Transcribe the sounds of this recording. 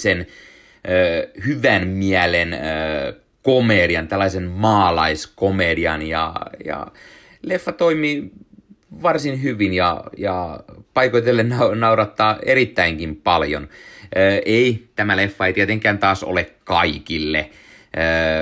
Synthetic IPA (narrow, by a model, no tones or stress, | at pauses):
sen | øːhyʋænmiælenəː | komediɑnt̪ælːɑisenmɑːlɑiskomediɑnjɑ̰jɑ̰ | lefːɑt̪oimiː | ʋɑrsinhyʋinjɑ̰jɑpɑikoit̪elːenɑnɑuɾɑt̪ːɑːeɾit̪ːæiŋkimpɑljo̰nəːʔeit̪æmælefːɑeit̪iæt̪eŋkˑæːnt̪ɑːso̰lekkɑikilːe | əː